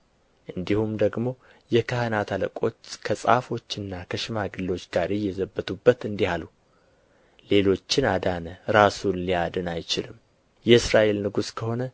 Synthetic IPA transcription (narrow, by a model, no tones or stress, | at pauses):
ʔɨnd̪ihumd̪əɡmo̞ | jɛkʰahənat̪ʰalə̰kʼo̞t͡ʃːkʰəsʼa̰fo̞t͡ʃːɨnːakʰəʃɪmaɡɨlːo̞t͡ʃːɡaɾejːɛzəbːət̪ʰubːət̪ɨnd̪ihalu | le̞lo̞t͡ʃːɪnad̪anəɾasunlijad̪ɨnajt͡ʃɪlɨm | jɛɨsɾaʔe̞lnɨɡuskʰəho̞nə